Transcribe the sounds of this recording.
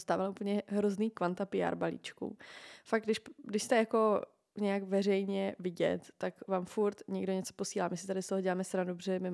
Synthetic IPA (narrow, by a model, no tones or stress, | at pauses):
st̪aːvalaupl̩ɲɛɦɾozniːkvant̪apɪja̰ːɾbalḭːt͡ʃkṵfaɡ̚ɡdɪʃdɪʃst̪ɛjako̞ | ɲɛjakvɛr̝ɛjɲɛvɪɟɛ̰t̪ːakvaːmfuɾt̪ɲɛɡdo̞ɲɛt͡sopo̞siːlaːmɪsɪ̥t̪adɪst̪oɦoɟɛlaːmɛst̪ɾandobrɛmɪ